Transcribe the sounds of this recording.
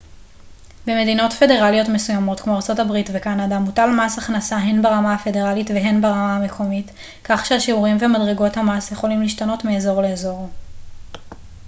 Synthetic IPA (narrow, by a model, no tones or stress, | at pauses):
beme̞dino̞tfe̞de̞ʁalijo̞tmesujamo̞tkmo̞aʁt͡so̞tabʁitvekanadamutalmasaχnasaɦenbaʁamaafe̞deʁalitveɦenbaʁamahame̞kʰo̞mit | kaχʃeaʃiuʁimvemadʁeɡo̞thamasjeχo̞limliːʃtano̞tmeezo̞ʁleːzo̞ʁ